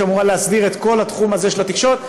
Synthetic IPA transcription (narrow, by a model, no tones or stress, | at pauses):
amuʁaleasbiʁet̪ko̞lhat̪χumazeʃelot̪ikʃot̪̚